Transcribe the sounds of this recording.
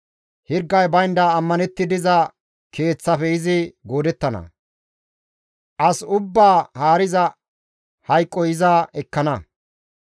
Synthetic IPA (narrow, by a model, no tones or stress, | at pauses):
hɪɾɡːɐjbɐjnd̪ɐːmːɐnɛt̪ːɪd̪ɪzɐ | ke̞ːt͡sːɐfɛɪzɪɡo̞ːd̪ɛt̪ːɐnɐ̰ | ʔɐsʊbːaːhaːɾɪzɐ | hɐjkʼːɔɪzaːɛkːɐnɐ